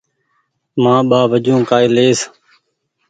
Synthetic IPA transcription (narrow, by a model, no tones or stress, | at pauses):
mãːɓaːbʱəd͡ʒõːkaːeːleːs